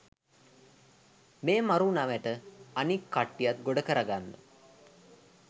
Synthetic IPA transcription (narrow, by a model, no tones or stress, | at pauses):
meːmaɾunaʋæʈəanikːaʈːijat̪ɡoɖəkəɾaɡanːə̰